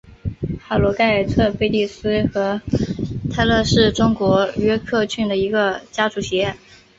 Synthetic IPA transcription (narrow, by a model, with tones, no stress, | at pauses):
xa˨˩lwɔ˧˥ka˥˩ɪ˨˩t͡sʰɤ˥˧pe˥˧ɪt̪i˥˩sɹ̩˥xɤ˧˥ | t̪ʰa˥˧ɪlɤ˥˧ʂɻ̩˥˩ʈ͡ʂʊ˥ŋkwɔ˧˥ɥɛ˥kʰɤ˥˧t͡ɕʰy˥˩nd̪ə˩i˧˥ɡə˧t͡ɕja˥ʈ͡ʂu˧˥˩ɕjɛ˧˥